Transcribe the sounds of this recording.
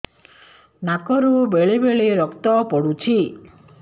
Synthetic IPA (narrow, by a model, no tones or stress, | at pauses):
nakɔɾubeɭebeɭeɾɔkt̪ɔpɔɽut͡ʃʰi